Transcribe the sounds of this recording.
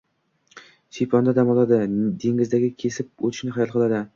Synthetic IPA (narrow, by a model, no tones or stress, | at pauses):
ʃipʰɒnd̪ad̪amɒlˠad̪ɪd̪eŋʲɪzd̪aɡʲɪkʲʰe̞sɪp̚ot̪ʰɪ̥ʃnɪχajɒlˠqʰɨlˠad̪ɪ